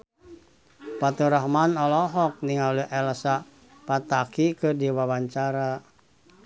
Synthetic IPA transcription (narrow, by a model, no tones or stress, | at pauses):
pat̪uɾaɦmanɔlɔɦɔk̚niŋaluʔɛlsa | pat̪akikɨrdiwawaɲt͡ʃaɾa